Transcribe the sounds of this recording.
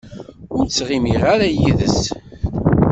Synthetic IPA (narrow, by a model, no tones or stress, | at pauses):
ʊɾsʁimiʁaɾæjiðəs